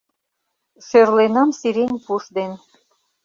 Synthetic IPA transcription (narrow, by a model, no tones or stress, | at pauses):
ʃerlenɑmsiɾenʲpuʃd̪en